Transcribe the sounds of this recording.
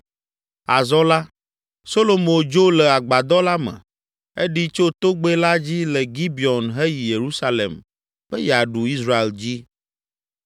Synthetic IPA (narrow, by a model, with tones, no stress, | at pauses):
a˨zɔ˦la˦ | so˦lo˨mõ˨d͡ʒo˦lɛ˨a˨ɡ͡ba˨d̪ɔ˦la˦mɛ̰̃˨ | e˦ɖi˦t͡ʃo˦t̪o˦ɡ͡be˦la˦d͡ʑi˦lɛ˨ɡi˦bi˨ɔ˨nɦe˦ji˨je˨ɾu˦sa˦lḛ˨m | ɸɛ˦jɛ˨a˨ɖu˨i˦sɾa˦˨e˨ld͡ʑi˦